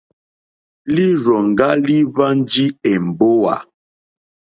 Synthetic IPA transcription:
li˦ɾɔ˨ŋ˨ɡa˦li˦βa˦n˦d͡ʒi˦ɛ˨m̩˨bo˦wa̰˨

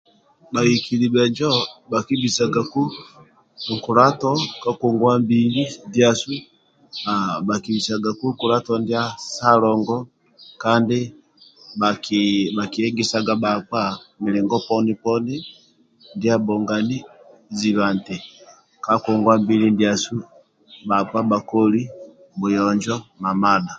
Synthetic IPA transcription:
ba˨i˨ki˨li˨bɛ˨ɲd͡ʒɔ˦ba˨ki˦bi˨sa˨ɡa˨ku˦˨ | ŋ̩˨ku˨ɾa˦tɔ˦ka˦ku˨ŋɡwa˦mbi˨li˦ndi˦a˨su˦ | a˨ba˨ki˨bi˨sa˨ɡa˨ku˦ku˨ɾa˦tɔ˨ndja˦sa˦lɔ˨ŋɡɔ˦ | ka˦ndi˦ | ba˨kiba˨ki˨ɛ˦ŋɡɛ˦sa˨ɡa˨ba˨kwa˦˨mi˨lɛ˨ŋɡɔ˦pɔ˦ni˦pɔ˦ni˦ | ndi˦a˦bɔ˨ŋɡa˨ni˦ | zi˨βa˨ntɛ˨ | ka˦kɔ˨ŋɡwa˦mbi˦li˦ndi˨a˨su˦ | ba˨k͡pwa˦ba˨kɔ˦li˦ | mu˨jɔ˨ɲd͡ʒɔ˦ma˨ma˦da˨

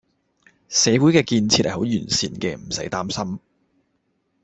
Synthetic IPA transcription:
sɛː˨˧wuː˨˥jkɛː˧kiː˧nt͡sʰi˧t̚hɐ˨˩ho˨˥wjyː˨˩nsiː˨˩nkɛː˧m̩˨˩sɐ˨˥jt̪aː˥msɐ˥m

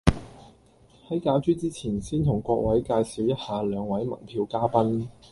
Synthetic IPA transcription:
hɐ˨˥jkaː˨˥wt͡ʃyː˥t͡siː˥t͡sʰiː˨˩nsiː˥nt̪ʰʊ˨˩ŋkʷɔː˧k̚wɐ˨˥jkaː˧jsiː˨˥wjɐ˥t̚haː˨˧lœː˨˧ŋwɐ˨˥jmɐ̰˨˩ŋpʰiː˧wkaː˥pɐ˥n

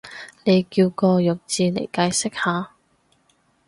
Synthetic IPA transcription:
ne˨˧jkiː˧wkɔː˧jœ˨k̚t͡siː˨˧lḛ˨˩jkaː˧jsɪ˥k̚haː˨˧

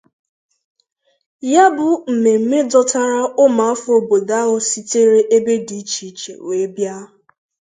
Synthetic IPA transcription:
ja˦bʊ˨m̩˨me˨m̩˦me˦dɔ˦ta˦ɾa˦ʊ˦ma˨a˦fʊ˦o˨bo˨da˦ɦʊ˦si˦te˦ɾe˦ʔe˦be˦di˨˦t͡ʃi˨t͡ʃḛ˨we˨˦bja˦

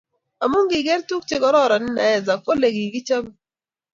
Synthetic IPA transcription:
a˨mu˦ŋɡi˨ɡe˦ɾtu˦k̚t͡ʃɪ˦kɔ˦ɾɔ˦˨ɾɔ˨nɪ˦na˨jɛ˦˨za˨ko˦le˨ɡi˨ɡi˦t͡ʃa˦m˦

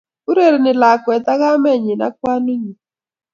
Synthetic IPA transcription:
u˦ɾe˦˨ɾnɪ˨la˨kwɛ˨t̪a˦ɣa˦mɛ˦ɲɪ˨na̰˦k̚wa˦nu˦ɲi˨

